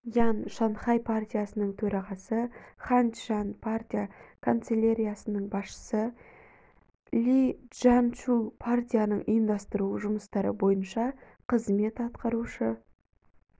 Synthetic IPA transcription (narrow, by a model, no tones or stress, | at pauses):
janʃɑnχɑjpʰart̪ʲijasənəɴt̪ʰɵɾɑʁɑsəχant̪ʒanpʰart̪ʲijakʰont̪selʲaɾʲijasənəɴbɑsʃə̥sə | lʲiʒ̥ant͡ʃupʰart̪ʲijanəɴijənd̪ɑst̪əɾuʒʊməst̪ɑɾə̰bo̞jənʃɑ | qʰəzme̞t̪ɑt̪qɑɾuʃə